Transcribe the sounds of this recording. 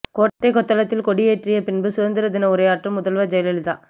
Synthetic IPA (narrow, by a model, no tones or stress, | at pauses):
koːɾɐʈːɐɪkɔt̪ːɐlɐt̪ːɪlkɔɽɪjeːʈrɪjɐpɪnbɯsʊðɐnd̪ɪɾɐd̪ɪnɐʊɾɐjaːʈrɯmʊðɐlʋɐd͡ʒɐjlɐlɪða̰ː